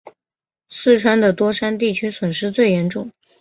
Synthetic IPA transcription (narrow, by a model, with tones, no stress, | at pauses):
sɹ̩˥˩ʈ͡ʂʰwa˥nd̪ə˨t̪wɔ˥ʂa˥nt̪̬i˥˩t͡ɕʰy˥swə˨˩nʂɻ̩˥˧t͡swe˥˩ɪjɛ˧˥nʈ͡ʂʊ˥˩ŋ